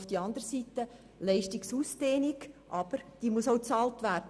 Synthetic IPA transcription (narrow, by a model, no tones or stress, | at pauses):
fd̥iɑnd̪əɾsiːtə | lɛɪʃtɪksusd̥eːniɡʔɑb̥əɾd̥iːmusoʊt͡sɑːltvæːrdə